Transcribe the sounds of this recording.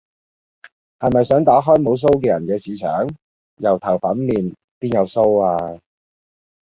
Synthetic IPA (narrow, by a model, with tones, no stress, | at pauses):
hɐ˨jmɐ˨jsœː˨˥ŋt̪aː˨˥ɦɔː˥jmo˨˧ws̬o˥wkɛː˧jɐ˨˩nkɛː˧siː˨˧t͡ʃʰœ̰ː˨˥ŋ | jɐ˨˩wt̪ʰɐ˨˩wfɐ˨˥nmiː˨n | piː˥njɐ˨˧wso˥waː˧